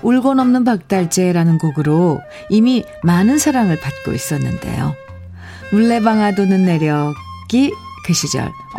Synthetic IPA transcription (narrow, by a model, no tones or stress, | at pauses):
uɭɡʌnʌmnɯnpak̚t͈aɭt͡ɕ͈e̞ɾanɯnɡoɡɯɾo | imi | manɯnsʰaɾaŋɯɭpat̚k͈o̰ḭs͈ʌnːɯnde̞̰jo̰ | muɭːe̞baŋɦadonɯnːe̞ɾjʌ | ɡ̥i | keɕʰid͡ʑʌ̰ɭ